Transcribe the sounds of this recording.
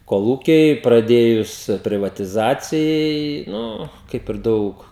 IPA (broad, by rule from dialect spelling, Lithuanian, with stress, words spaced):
koːˈlˠuːkʲɛɪ prɐˈdʲeːjʊs pʲrʲɪˈʋɑːtʲɪzɐt͡sʲɪjɛɪ ˈnʊ ˈkɐɪp ɪr ˈdɐʊk